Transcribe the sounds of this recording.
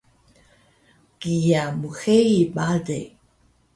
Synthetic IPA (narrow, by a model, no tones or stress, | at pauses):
ɡ̥ijamuxeibadḛ